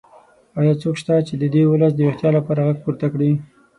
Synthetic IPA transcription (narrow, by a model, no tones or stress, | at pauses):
ɑjɑt͡sokʃt̪at͡ʃed̪əd̪ewʊləs̬d̪əwext̪jɑlapɑɾaɣaɡ̚puɾt̪akɽi